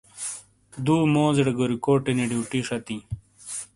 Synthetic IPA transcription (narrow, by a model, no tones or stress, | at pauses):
d̪uːmoːzeɽɐɡoɾikoːʈeneɖiuʈiʂɐt̪i